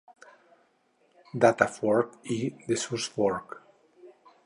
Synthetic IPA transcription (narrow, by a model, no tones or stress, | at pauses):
d̪at̪afwɔɹkiðəsuswɔɹk